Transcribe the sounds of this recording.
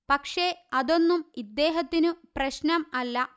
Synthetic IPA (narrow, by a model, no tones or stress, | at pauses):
pɐkʂe̞ɐðo̞nːumid̪ːeːɦɐt̪ːinuprɐɕnɐmɐlːɐ